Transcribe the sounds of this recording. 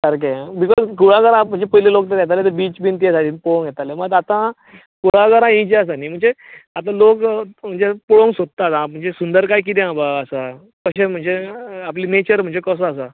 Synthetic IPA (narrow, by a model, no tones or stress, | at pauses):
səɾkebikɔzkuɭaɡəɾãm̤əɳd͡zepəjlelok̚t̪əɾjɛt̪alet̪əbiːt͡sbint̪iesad̪iːnpõŋɡjɛt̪aleməɡat̪ã | kuɭaɡəɾãɦĩd͡ʑeəsaniːm̤əɳd͡zeat̪ãlokm̤əɳd͡zepuɭõŋsod̪̚t̪ːat̪ãm̤əɳd͡zesund̪əɾkajk̬it̪̬eãbaəsa | kəɕem̤əɳd͡zeapliːnet͡ɕəɾm̤əɳd͡zekəs̬ɔas̬a